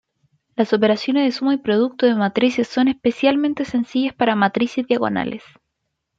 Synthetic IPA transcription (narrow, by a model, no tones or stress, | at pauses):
lasop̬eɾasjo̞nezðesumoipɾoð̞uk̚t̪oðemat̪ɾisesːo̞nespesjalment̪ese̞nsiʝaspaɾamat̪ɾisezðjaɣo̞̰na̰lʔḛs